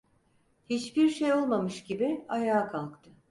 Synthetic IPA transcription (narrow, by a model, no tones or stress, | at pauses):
hit͡ʃbiɾʃejo̞lˠmamɯʃɟibiajaːkʰalˠkt̪ʰɯ